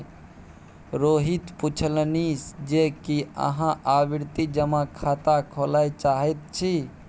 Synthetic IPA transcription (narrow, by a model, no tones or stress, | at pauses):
ɾoɦit̪put͡ʃʰəlnisd͡ʒekiə̰ɦãʔabiɾt̪id͡ʒəmakʰat̪akʰolajt͡ʃaɦɛt̪̚t͡ʃʰi